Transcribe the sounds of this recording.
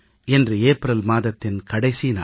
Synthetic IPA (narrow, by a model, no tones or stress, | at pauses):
ɛndrɯeːpɾɐlmaːðɐt̪ːɪnkɐɽɐɪsina̰ː